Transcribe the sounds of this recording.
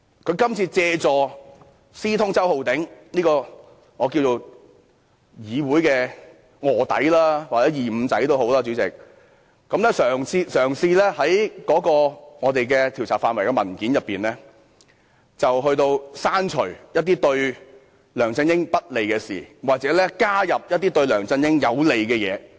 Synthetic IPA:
kʰɵ˨˧ɥkɐ˥mt͡sʰiː˧t͡sɛː˧t͡sɔː˨ | siː˥t̪ʰʊ˥ŋt͡sɐ˥who˨wt̪ɪ˨˥ŋniː˥kɔː˧ | ŋɔː˨˧k̬iː˧wt͡so˨˧w | jiː˨˧wuː˨˥jkɛː˧ | ŋɔː˨˩t̪ɐ̰˨˥jlaː˥waː˨kt͡sɛː˨˥jiː˨m̩˨˧t͡sɐ˨˥jt̪o˥who˨˥wlaː˥t͡ʃy˨˥t͡sɪ̰˨k̚ | kɐ˨˥mlɛː˥sœː˨˩ŋt͡sʰiː˧sœː˨˩ŋsiː˧lɛː˥hɐ˨˥jkɔː˨˥kɔː˧ŋɔː˨˧t̪e˨jkɛː˧t̪ʰi˨˩wt͡sʰaː˨˩faː˧nwɐ˨˩jkɛ˧mɐ˨˩nkiː˨˥njɐ˨pːiː˨nlɛː˥ | t͡sɐ˨wɦɵ˧ɥt̪o˧wsaː˥nt͡ʃʰɵ˨˩jɐ˥t̚t̪̬iː˥t̪ɵ˧ɥ | lœː˨˩ŋt͡sɪ˧ŋjɪ˥ŋpɐ˥t̚le˨jkɛː˧siː˨˩waː˨k̚t͡sɛː˨˥lɛ˥kaː˥jɐ˨p̚jɐ˥t̚t̪iː˥t̪ɵ˧ɥlœː˨˩ŋt͡sɐ˧ŋjɪ˥ŋjɐ˨˧wle˨˩jkɛː˧jɛ̰ː˨˧

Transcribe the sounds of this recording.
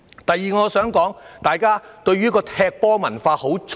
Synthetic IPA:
t̪ɐ˨jːiː˨ŋɔː˨˧sœː˨˥ŋkɔː˨˥ŋt̪aː˨jkaː˥t̪ɵ˧ɥyː˥kɔː˧t̪ʰɛː˧k̚pɔː˥mɐ˨˩nfaː˧ho˨˥wt͡ʃʰ

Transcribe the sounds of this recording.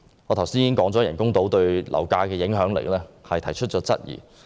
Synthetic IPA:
ŋɔː˨˧t̪ʰwsiː˥jiː˨kɪ˥ŋkɔː˨˥ŋt͡sɔ˨˥jɐ˨˩nkʊ˥ŋt̪o˨˥wt̪ɵ˧ɥlʔɐ̰˨˩wkaː˧kɛː˧jɪ˨˥ŋɦœː˨˥ŋlɪ̰˨˩lɛː˥hɐ˨jt̪ʰɐ˨˩jt͡ʃʰɵ˥t̚t͡ʃːɔː˨˥t͡sɐ˥t̚jḭː˨˩

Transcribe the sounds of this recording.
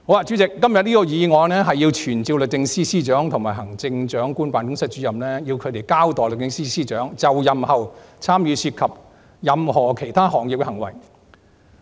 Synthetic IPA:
ho˧˥wla˧t͡ʃy˨˥t͡sɪ˨kːɐ˥mjɐ˨t̚niː˥kɔː˧jiː˨˧ŋɔː˨˧jnɛː˥ɦɐ˨jːiː˧wt͡ʃʰyː˨˩nt͡siː˧wlɵ˨k̚t̪ɪ˧ŋsiː˥siː˥t͡ʃœː˨˥ŋt̪ʰʊ˨˩ŋmaː˨˩jɦɐ˨˩ŋt͡sɪ˧ŋt͡ʃœː˨˥ŋkuː˥npaː˨˧nkʊ˥ŋsɐ˥t̚t͡ʃyː˨˥jɐ˨mnɛ˥ji˧wkʰɵ˨˧t̪e˨jkaː˥wt̪ɔː˨jlk̚t̪ɪ˧ŋsiː˥siː˥t͡ʃœː˨˥ŋt͡sɐ˨wjɐ˨mhɐ˨wt͡sʰaː˥mjyː˧syː˧t̚kʰɐ˨p̚ | jɐ˨mhɔː˨˩kʰe˨˩jt̪ʰaː˥hɔː˨˩ŋji˨p̚kɛ˧hɐ˨˩ŋwɐ̰˨˩j

